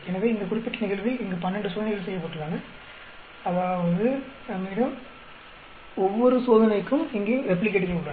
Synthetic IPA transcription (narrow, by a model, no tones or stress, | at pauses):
ɛnɐʋeːɪŋɡɐkʊɽɪpːɪʈːɐnɪɣɐɭʋɪlɪŋɡɐpɐnːɾɛɳɖɯsoːðɐnɐɣɐɭsɛjːɐpːɐːʈːɯlaːnɐ | ɐðaːʋɐðɯmiːɽɐm | ɔʋːɔɾɯsoːðɐnɐɪkːɯmɪŋɡeːʋɛp̬ːɐlɪkːeʈːɪkːeʊɭːɐ